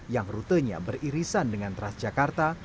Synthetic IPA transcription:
jaŋrut̪əɲa̰bəriɾisandəŋant̪əɾasd͡ʒakart̪a

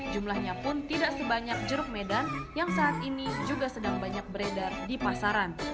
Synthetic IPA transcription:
d͡ʒumlahɲapʊnt̪idaʔsəbaɲak̚d͡ʒəɾʊk̚medanjaŋsaːt̪inid͡ʒuɡasədaŋbaɲak̚bəɾedardipasaɾan

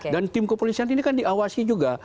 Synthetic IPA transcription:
dant̪ɪmkəpolisianinikandiawasid͡ʒuɡa

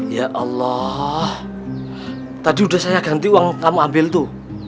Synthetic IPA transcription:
jaʔɑlːɔh | t̪adiudahsajaɡ̥a̤nt̪iwaŋkamuambɪlt̪u

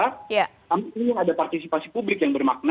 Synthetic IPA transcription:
aja | kamiinijaŋadapart̪isipasipublɪkjaŋbərmak̚na

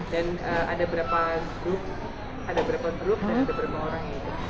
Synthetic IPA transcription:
danəːa̰dabəɾapaɡɾʊp̚ | adabəɾapaɡɾʊp̚dandabəɾapaoɾaŋat̪

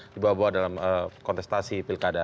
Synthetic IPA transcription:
dibawabuat̪̚dalaməkɔnt̪ɛst̪asipilkada

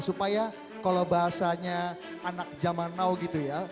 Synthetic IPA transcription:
supaja | kalobaɦasaɲa | anak̚d͡ʒamanawɡit̪uja

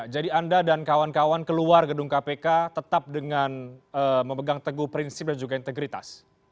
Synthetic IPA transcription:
d͡ʒadiandadankawankawankəluarɡədʊŋkapekat̪ət̪ap̚dəŋanəməmbəɡaŋt̪əɡuhpɾinsɪp̚dand͡ʒuɡaint̪əɡɾit̪a̰s

